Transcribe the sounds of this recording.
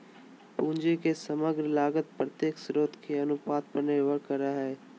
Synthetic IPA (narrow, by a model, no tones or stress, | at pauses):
pũːnd͡ʒikesəməɡɾəlaːɡət̪̚pɾət̪jeːksɾoːt̪kʰeɐnʊpaːt̪̚pəɾneʋəɾkːəɾaɦɛː